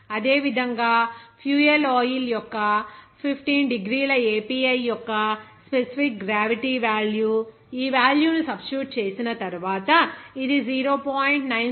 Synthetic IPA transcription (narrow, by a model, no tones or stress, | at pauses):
ɐd̪e̞ːʋid̪ʱɐŋɡaːpʰjuːeloːjiljɔkːɐpʰipʰʈiːnɖiɡɾiːlɐeːpiːɐjːɔkːɐspesipik̚ɡɾaːʋiʈiʋaːljuː | iːʋaːljuːnusɐbʃuːʈ̚t͡ʃe̞ːsinɐt̪ɐɾuʋaːt̪ɐid̪iziːɾo̞ːpaːjiɳʈnɐjn